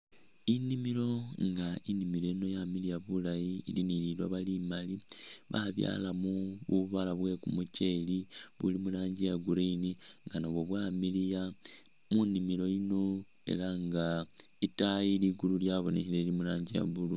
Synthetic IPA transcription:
inimilo̞ŋɡainimiloino̞jamilijaβulajiːlinililwaβalimaliβaβja̰ːlamuβuβalaβwe̞kumuce̞liβṵlimulaːɲɟijaɡuɾiniŋɡanoβwo̞βwamilija | munimilo̞ino̞ | e̞̰laŋɡaitajiliɡululjaβo̞nehilelimulaːɲɟija̰βulu

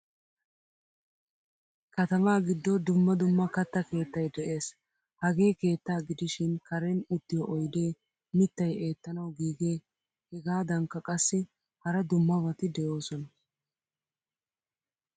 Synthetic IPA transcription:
kɐt̪ɐmaːɡɪd̪ːɔd̪ʊmːɐd̪ʊmːɐkɐt̪ːɐke̞ːt̪ːɐjd̪ɛʔe̞ːs | hɐɡe̞ːke̞ːt̪ːaːɡɪd̪ɪʃɪnkɐɾɛnʊt̪ːɪjɔʔɔjd̪e̞ː | mɪt̪ːɐje̞ːt̪ːɐnɐwɡiːɡe̞ː | hɛɡaːd̪ɐŋkːɐkʼɐsːɪ | hɐɾɐd̪ʊmːɐβɐt̪ɪd̪ɛjo̞ːsɔnɐ

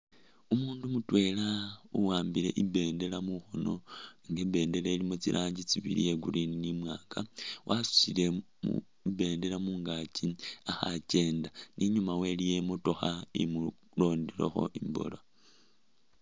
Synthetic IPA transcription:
umuːndumutwe̞lauwaːmbile̞̰ʔibe̞ːnde̞lamuxono̞̰ŋɡebe̞ːnde̞leːlimot͡silʔaːɲɟit͡siβḭlḭje̞ɡuɾininimwaːŋɡawʔasu̥sile̞ | mṵ | ibe̞ːnde̞lamuːŋɡaciaxa̰ce̞ːndanʔiɲumawe̞lije̞mutoxaimu | lo̞ːndilo̰xo̞̰ʔimbo̰lo

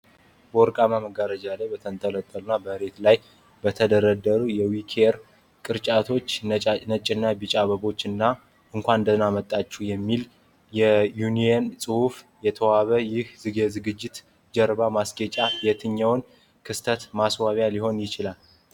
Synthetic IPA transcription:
bəwɔɾkʼamaməɡaɾəd͡ʒalajbət̪ʰənt̪ʰʼələt̪ʼːəlunːabəhɾe̞t̪laj | bət̪ʰəd̪əɾəd̪əɾujɛwikʰɾ | kʼɨɾt͡ʃʼat̪ʰo̞t͡ʃːʼnət͡ʃʼɪnːabɨt͡ʃʼaβəβo̞t͡ʃːɨnːa | ʔɨŋkʷanɨnd̪ənamət̪ʼːat͡ʃːɛjɛmːil | jɛjuniensʼɨhuf | jɛt̪ʰəwaβəjɪhzɨɡezɨɡɨd͡ʒːɪt̪ | d͡ʒəɾbamasɡet͡ʃʼabet̪ʰɨɲːawn | kʰɨst̪ʰət̪maswaβjaliho̞njɪt͡ʃɪlal

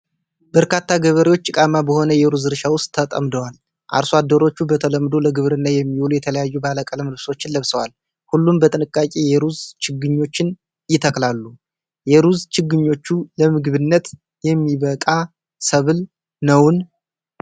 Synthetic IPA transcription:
bəɾkʰat̪ːaɡəβəɾewo̞t͡ʃːɨkʼamabəho̞nəjɛɾuzɨɾʃawʊst̪ʼʰːət̪ʼə̰md̪əwal | ʔa̰ɾsad̪ːəɾo̞t͡ʃːubət̪ʰələmːd̪o̞ləɡɨβɾɨnːajɛmːiwulujɛt̪ʰələjajːubaləkʼələmlɨβso̞t͡ʃːɪnləβsəwal | hulːumbət̪ʼɨnɨkʼːakʼejɛɾuzt͡ʃʰɪɡɨɲːo̞t͡ʃːɪn | jɪt̪ʰəklalːu | jɛɾuzt͡ʃɪɡɨɲːo̞t͡ʃːuləmɨɡɨβɨnːət̪ | jɛmːiβəkʼa | səβl | nəwn

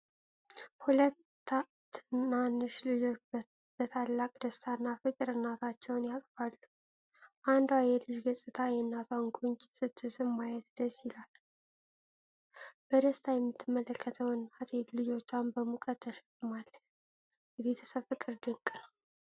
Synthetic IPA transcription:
hulət̪ː | a | ɨnanːɨʃlɨjo̞ | b̥ət̪ʰalːakʼd̪əst̪ʰanːafɨkʼɨɾɨnːat̪ʰat͡ʃːɛwnjakʼfalːu | ʔand̪wajɛlɨd͡ʒɡəsʼɨt̪ʰajɛnːat̪ʰwaŋɡʼunt͡ʃʼsɨt̪ʰːɨsɨnmajɛt̪d̪əsjɪlal | b̥əd̪əst̪ʰajɛmːɨt̪ʰːɨmːələkʰːət̪ʰəwɨnːat̪ʰlɨd͡ʒo̞t͡ʃːambəmukʼət̪ʰːəʃɛkʼɨmalːə | jɛβe̞t̪ʰə̥səβfɨkʼɨɾd̪əŋkʼɨnə

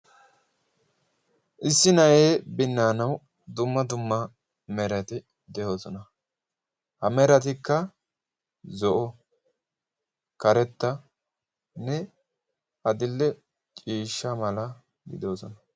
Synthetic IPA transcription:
ʔɪsːɪnɐjeːbɪnːaːnɐw | d̪ʊmːɐd̪ʊmːɐ | mɛɾɐt̪ɪ | d̪ɛjo̞ːsɔnɐ | hɐmɛɾɐt̪̬ɪkːɐ | zɔʔɔ | kɐɾɛt̪ːɐ | nɛ | ɐd̪ɪlːɛ | t͡ʃʼiːʃːɐmɐlɐ | ɡɪ̰d̪o̞ːsɔnɐ

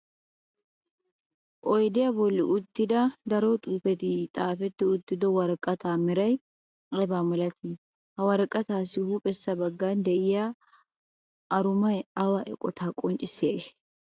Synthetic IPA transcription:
ʔɔjd̪ɪjɐbɔlːɪʔʊt̪ːɪd̪ɐd̪ɐɾɔt̪ʼuːfɛt̪ɪt̪ʼaːfɛt̪ːɪʊt̪ːɪd̪ɔwɐɾkʼːɐt̪aːmɛɾɐj | ʔɛbaːmɔlɐt̪ʰɪ | hɐwɐɾkʼːɐt̪aːsɪhupʼɛsːɐbɐɡːand̪ɛʔɪja | ʔɐɾʊmɐjɐwɐʔɛ̰kʼɔt̪ʰaːkʼɔnt͡ʃʼːɪsːɪjɐʔe

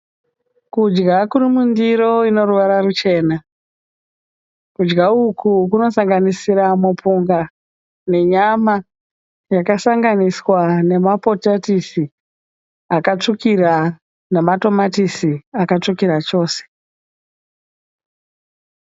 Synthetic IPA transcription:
kud͡ʒɡakurimundiɾo̞ino̞ruʋaɾarut͡ʃe̞ːna | kud͡ʒɡaukʰuk̬uno̞saŋɡanisiɾamupuŋɡa | ne̞ɲama | jakasaŋɡaniswane̞mapo̞tatisi | akat͡ʂukira | nemato̞matisiakat͡ʂukiɾat͡ʃo̞ːse̥

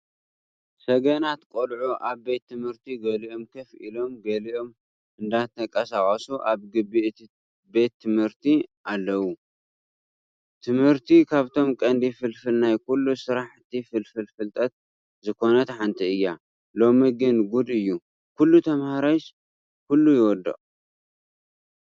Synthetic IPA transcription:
sɐɡɐnat̪kʼolʕuʔaβbe̞t̪ʰːɨmhɨɾt̪ʰiɡɐliʔo̞mkʰɐfʔḭlo̞mɡɐliʔo̞m | ʔɨnd̪at̪ʰɐkʼɐsakʼɐsuʔaβɡɨbiʔt̪i | be̞t̪ʰːɨmhɨɾt̪ʰiʔalːɐwu | t̪ʰɨmhɨɾt̪ʰikʰaβt̪ʰo̞mkʼɐnd̪ifɨlfɨlnajkulːusɨɾaħt̪ʰifɨlfɨlfɨlt̪ʼɐt̪̚ | zɨkʰo̞nɐt̪ħant̪ʰiɨjːa | lo̞miɡɨnɡud̪ɨjːu | kʰulːut̪ʰɐmhaɾaʃ | kʰulːujɪwɔd̪ːɐ̰χʼ

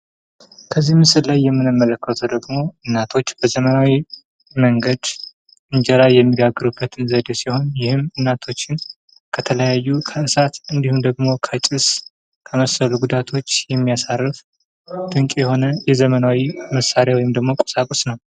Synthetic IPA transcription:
kʰəzːihmɨsɨllajːɛmːɨnɨmːələkːət̪ʰəd̪əɡmo̞ɨnːat̪ʰo̞t͡ʃːb̥əzəmənawi | məŋɡəd̪ | ʔɨɲd͡ʒɛlajːɛmːiɡaɡːɨɾubːət̪ʰɨnzəd̪esiho̞njɪhɨmɨnːat̪ʰo̞t͡ʃːɪn | kʰət̪ʰələjajːukʰəʔɨsat̪ɨnd̪ihumd̪əɡmo̞kʰət͡ʃʼɪs | kʰəməsəluɡud̪at̪ʰo̞t͡ʃːjɛmːijasarːɨf | d̪̥ɨŋkʼjɛho̞nəjɛzəmənawiməsːaɾjawɔjɪmd̪əɡmo̞kʼosakʼosnəw

